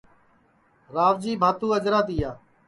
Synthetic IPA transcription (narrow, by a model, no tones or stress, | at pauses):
ɾaːʋd͡ʒiːbʱaːt̪ũːəd͡ʒɾaːt̪iːjaː